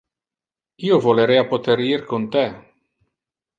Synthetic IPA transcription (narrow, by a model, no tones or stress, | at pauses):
iovoleɾeapot̪eɾiɾkunt̪e